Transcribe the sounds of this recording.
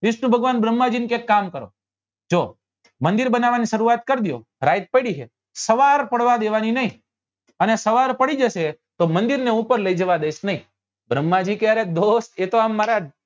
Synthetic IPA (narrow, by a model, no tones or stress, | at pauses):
ʋɪʃnũbʱəɡʋanbɾəmːad͡ʒinikekːamkəɾo̰ | d͡ʒo | mənd̪iɾbənaʋaniʃəɾuat̪̚kəɾd̪jo̰ | ɾajt̪̚pəɽiɦe | səʋaɾpəɽʋad̪eʋaninəɦĩ | ənesəʋaɾpəɽid͡ʒəʃe | t̪omə̃nd̪iɾneupəɾləid͡ʒəʋad̪eʃnəɦĩ | bɾəmːad͡ʒikjaɾed̪ost̪et̪oamːaɾa